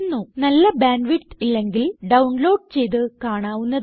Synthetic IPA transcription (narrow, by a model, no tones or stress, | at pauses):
nːunɐlːɐbaːnʋiʈːilːe̞ŋɡilɖɐwɳlo̞ːɖ̚t͡ɕe̞jt̪̬ɨkaːɳaːʋunːɐ